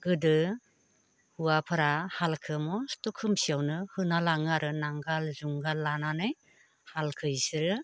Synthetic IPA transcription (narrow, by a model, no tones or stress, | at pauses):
ɡɯdɯ | huapʰɯɾahalkʰɯmɔstukʰɯmsijawnɯhɯnalaŋaɾɯnaŋɡalzuŋɡalananɯj | halkʰɯjsɯɾɯ